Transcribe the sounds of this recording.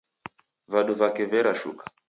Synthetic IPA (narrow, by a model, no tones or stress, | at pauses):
vaɗuvakɛvɛɾaʃṵkḁ